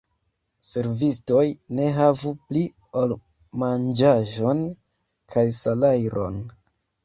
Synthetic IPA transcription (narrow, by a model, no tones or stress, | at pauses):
se̞ɾvisto̞jne̞ɦavupli | ol | mand͡ʒaʒo̞n | kʰajsalajɾo̞̰n